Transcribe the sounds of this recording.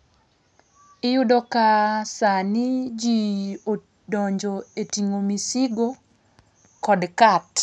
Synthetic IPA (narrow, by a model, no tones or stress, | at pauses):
ɪjʊdokasanɪd͡ʒio | dɔɲd͡ʒoetiŋomisiɡo | kɔdkat